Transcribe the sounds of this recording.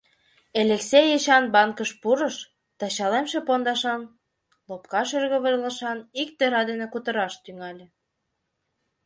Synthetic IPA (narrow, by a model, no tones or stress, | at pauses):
eleksejeɕɑnbɑŋkəʃpuɾəʃ | t̪ɑɕɑlemʃĕpond̪ɑʃɑn | lopkɑʃørɣə̆βə̆rlə̆ʃɑnikt̪eɾɑd̪enĕkut̪əɾɑʃt̪yŋɑlʲĕ